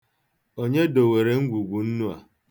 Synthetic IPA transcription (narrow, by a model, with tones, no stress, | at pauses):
o˦ɲe˦do˨we˨ɾe˨ŋ̩˦ɡʷu˨ɡʷu˨n̩˦nu˦a̰˨